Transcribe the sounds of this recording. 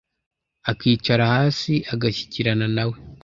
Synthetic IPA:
akiːt͡ʃaɾahaːsiaɡaçi̥ciɾananawe̞

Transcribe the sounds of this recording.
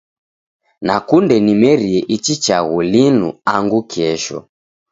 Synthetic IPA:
nakundɛnimɛɾiɛʔit͡ʃit͡ʃaɣulinṵaŋɡukiɛʃɔ̰

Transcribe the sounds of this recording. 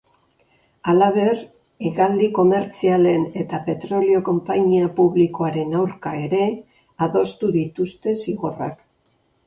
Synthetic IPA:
alaβ̞e̞r | iɣald̪iko̞me̞ɾt͡siale̞ne̞t̪ape̞t̪ɾo̞lio̞ko̞mpaɲiapuβliko̞aɾe̞nawɾkaeɾe̞ | aðo̞st̪uðit̪ust̪e̞siɣora̰k

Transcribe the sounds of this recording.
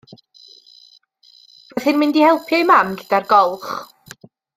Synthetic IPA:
vaθɨnmɪndihɛlˠpʰjajmamɡɪd̥arɡɔlˠχ

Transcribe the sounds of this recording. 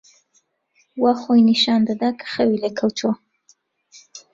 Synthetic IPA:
waxojnɪʃɑnd̪ad̪akʰə̥xəwilakʰəwt͡ʃo

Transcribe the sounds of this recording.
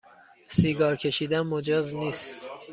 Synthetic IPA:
siːɡɒːɾcʲʰe̞ʃiːd̪ænmod͡ʒɒːzniːst̪

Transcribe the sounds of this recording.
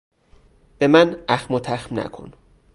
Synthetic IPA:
b̥emænæxmot̪ʰæxmnæ̰kʰo̰n

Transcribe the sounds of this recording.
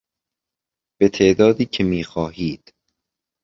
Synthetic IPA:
b̥e̞t̪ʰeːʔd̪ɒːd̪iːcʰemiːxɒːɦiːd̪̥

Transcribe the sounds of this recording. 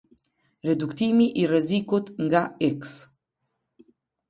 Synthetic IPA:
rɛd̪ukt̪imiʔirɛzikut̪ŋɡaiks

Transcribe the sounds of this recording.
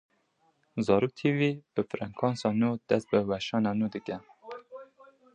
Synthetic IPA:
zɑːɾuːk̚t̪ʰiwib̥ɨfɾɛŋkʰɑːnsɑnuːd̪̥ɛst̪̚bɨwɛʃɑːnɑnuːd̪ɨkɛ

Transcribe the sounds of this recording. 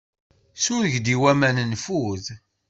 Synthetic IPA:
sʊɾʝd̪iwæmænənfuð

